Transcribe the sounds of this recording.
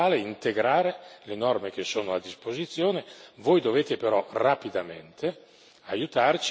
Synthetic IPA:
aːleint̪eɡɾaːɾelenɔrmek̟esːoːnoad̪ːispozit̪sːjoːnevojd̪oveːt̪epeɾɔrapid̪amḛnt̪ʰe | ajut̪art͡ʃ

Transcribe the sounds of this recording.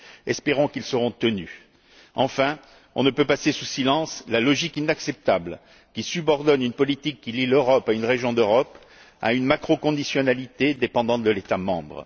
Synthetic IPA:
ɛspeʁɔ̃kilsəʁɔ̃t̪əny | ɑ̃fɛ̃ | ɔ̰̃nəpøpasesusilɑ̃slalɔʒikinaksɛp̚t̪abl | kʲisybɔʁd̪ɔnynpɔlit̪ikːililøʁɔpaynʁeʒjɔ̃d̪øʁɔp | a̰ynmakχɔkɔ̃d̪isjɔnalit̪ed̪epɑ̃d̪ɑ̃t̪̚d̪əlet̪amɑ̰̃bʁ

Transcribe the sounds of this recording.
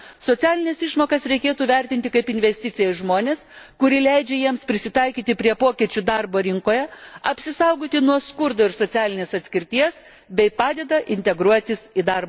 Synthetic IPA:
soːt̪sʲæːlʲɪnʲɛsɪʃmoːkɐsɾʲɛɪkʲeːt̪uːʋʲɛɾʲt̪ʲɪnʲt̪ʲɪkɐɪpɪnʲʋʲɛsʲt̪ʲɪt̪sʲɪjɛʒmoːnʲeːskʊɾʲɪlʲɛɪd͡ʒʲɛjiɛmspʲɾʲɪsʲɪt̪ɐɪkʲiːt̪ʲɪpʲɾʲiɛpoːkʲit͡ʃʲud̪ɑɾboːɾʲɪŋkoːjɛɐpʲsʲɪsɐʊɡoːt̪ʲɪnuɔskʊɾd̪oːɪɾsoːt̪sʲæːlʲɪnʲeːsɐt̪ʲsʲkʲɪɾʲt̪ʲiɛs | bʲɛɪpɑːd̪ʲɛd̪ɐʔɪnʲt̪ʲɛɡɾuɔt̪ʲɪsid̪ɐɾbɐ

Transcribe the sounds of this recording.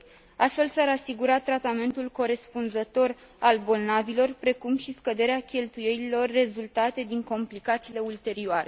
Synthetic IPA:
ast̪fe̞lsaɾasiɡuɾat̪ːɾat̪ame̞nt̪ulko̞ɾe̞spunzət̪o̞r | albo̞lnavilo̞rpɾe̞kumʃiskəd̪e̞ɾeakʲe̞lt̪uje̞lilo̞rːe̞zult̪at̪e̞d̪iŋko̞mplikat̪siːle̞ult̪e̞ɾioaɾe̞

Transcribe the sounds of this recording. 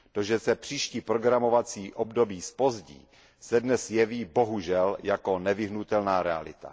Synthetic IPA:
t̪oʒɛsɛpr̝̥iːʃciːpɾoɡɾamo̞vat͡siːʔobdobiːspo̞zɟḭː | sɛdnɛsjɛviːbo̞ɦuʒɛljako̞nɛvɪɦnut̪ɛlnaːɾɛa̰lɪ̰t̪a̰

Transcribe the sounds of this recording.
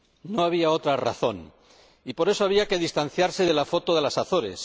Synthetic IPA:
no̞aβ̞iao̞t̪ɾara̰θo̞n | ipo̞ɾe̞soaβ̞iakeð̞ist̪an̟θjaɾse̞ðe̞lafo̞t̪oðe̞lasaθo̞ɾe̞̰s

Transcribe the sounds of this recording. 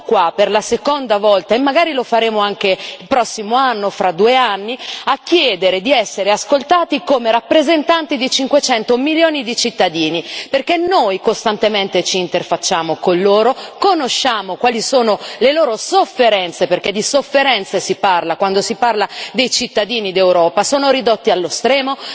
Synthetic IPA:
kwaperlasekond̪avɔlt̪aemːaɡaːɾilofaɾeːmoaŋk̟eilpɾɔsːimoanːofɾʔad̪uːeanːiak̟ːjɛːd̪eɾed̪iɛsːeɾeaskolt̪aːt̪ikomeɾapːɾezent̪ant̪id̪it͡ʃiŋkwet͡ʃɛnt̪omiljoːnid̪it͡ʃit̪ːad̪iːniperkenːojkost̪ant̪ement̪et͡ʃiːnt̪erfat͡ʃːaːmokonloːɾokonoʃːaːmokwaːlisoːnoleloːɾosofːeɾɛnt̪seperked̪isofːeɾɛnt̪sesiparlakwand̪osiparlad̪ejt͡ʃit̪ːad̪iːnid̪ewɾɔːpasoːnoɾid̪ot̪ːialːost̪ɾɛːmo

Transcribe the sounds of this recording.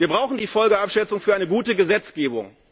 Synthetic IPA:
viːɐbʁaʊxn̩diːfɔlɡəapʃɛt͡sʊŋfyːɐʔaɪnəɡuːtəɡəzɛt͡sɡ̥eːbʊ̰ŋ

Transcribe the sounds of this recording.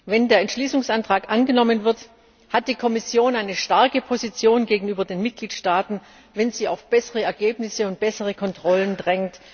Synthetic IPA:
vɛndeːɐɛntʃliːsʊŋsʔantʁ̥aːkʔanɡənɔmənvɪɐt | hat̚d̥iːkʰɔmɪsjoːnaɪnəʃtaɐkəpʰozit͡sjoːnɡeːɡŋ̩yːbɐdeːnmɪt̚ɡ̥liːtʃtaːtn̩ | vɛnziːaʊfb̥ɛsəʁəɛɐɡeːpnɪsəʊnt̚b̥ɛsəʁəkʰɔntʁ̥ɔləndʁɛŋt

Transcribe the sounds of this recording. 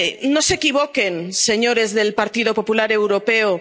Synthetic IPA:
nose̞kiβ̞oke̞nse̞ɲo̞ɾe̞zðe̞lpaɾt̪iðo̞po̞pulaɾe̞wɾo̞peo

